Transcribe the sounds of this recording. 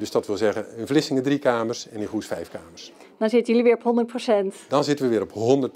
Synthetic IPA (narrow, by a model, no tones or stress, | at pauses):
døsdɑtʋɪlˠzɛɣənənvlɪsɪŋədrikaːməɹsɛnənχusfɛjfkaːməɹs | dɑnzɪtəjəliʋɪːɹɔpɦɔndərt̚prosɛntdɑnzɪtənʋəʋɪːɾɔpɦɔndət